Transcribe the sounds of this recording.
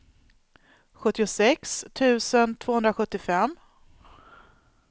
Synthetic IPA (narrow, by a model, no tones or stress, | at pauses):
ɧɵt̪ːɪʊsɛkst̪ʰʉ̟ːsənt̪ʰv̥oːɵnd̪ɾaɧɵt̪ːɪfɛm